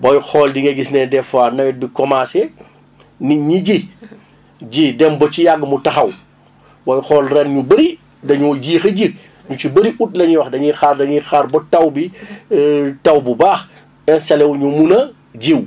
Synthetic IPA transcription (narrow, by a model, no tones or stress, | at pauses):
bɔjxɔːldiŋɡɐɡisnɛdɛfaːnɐj̚bikɔmaːsɛ | niɲiɟi | ɟidɛmbɔt͡ʃijaɡːmutɐxɐw | bɔjxɔːlrɛnɲubɐɾi | dɐɲɔɟiːxɐɟi | ɲut͡ʃibɐɾiʔut̚lɐɲuwɐxdɐɲixardɐɲixaɾbɔtɐwbi | tɐwbubaːx | ɛnsɐlɛwɲumunɐ | ɟiw